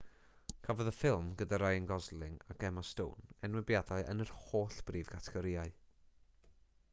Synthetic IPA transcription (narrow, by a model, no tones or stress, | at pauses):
kʰavɔðəfɪlˠmɡədaɾajənɡɔzlˠɪŋa̰ɡʰɛmasto̰ːnɛnwɪbjadaɨʔə̰nərhoːɬb̥riːvɡatʰɛɡ̥ɔɾɪaɨ